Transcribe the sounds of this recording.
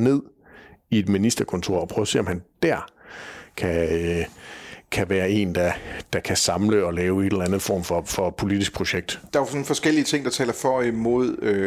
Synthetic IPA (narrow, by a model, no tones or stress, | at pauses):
ne̝ð̰ˠ | ie̝d̥minisd̥ɐkʰɔ̽nt͡sʰo̝ɐ̰ɒ̽pʰʁœːʊɐse̝̰ːɒ̽mhænd̥æɐ̰kʰæ | kʰæʋæːɐe̝̰ːnd̥ɑd̥ɑ̈kʰæsɑ̈mləɒ̽lɛːʊe̝delɐlænð̩ˠfɒ̰ːmfɒ̽fɒ̽pʰo̝lid̥isɡ̥̚pʰʁo̝ɕeɡ̥̚d̥d̥ɑ̈sɔ̽n̩fɒ̽sɡ̥el̰iət͡sʰe̝ŋ̰d̥ɑ̈t͡sʰɛ̰ːlɐfɒimo̝ð̞̰ˠø